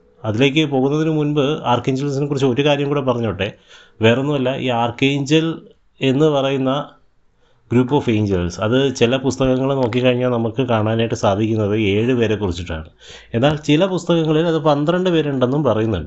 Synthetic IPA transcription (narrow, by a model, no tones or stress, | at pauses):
ɐðile̞ːk̬ʲːɨpo̞ːɣunːɐðinɨmunbɨaːrkeːɲd͡ʑels̬inɨkurit͡ɕːɨoɾukaːɾjɐmkuːɽep̬ɐrɐɲːoʈːe | ʋeːronːuʋɐlːɐʔḭːaːrkejɲd͡ʑɐl | e̞nːɨpɐrɐjunːɐ | ɡɾuːpːo̞ːfe̞ːɲd͡ʑelsɐðɨt͡ɕilɐpust̪ɐɣɐŋːɐɭno̞ːk̬ːikːɐɻiɲːaːlnɐmukːɨkaːɳaːnaːjiʈːɨsaːd̪ʱikʲːunːɐðɨeːɻɨpe̞ːɾe̞kurit͡ɕːiʈːa̰ːɳɨ | e̞nːaːlt͡ɕilɐpust̪ɐɣɐŋːɐɭilɐðɨpɐnd̪rɐɳɖɨpe̞ːɾeuɳɖe̞nːumpɐrɐjunːuɳɖɨ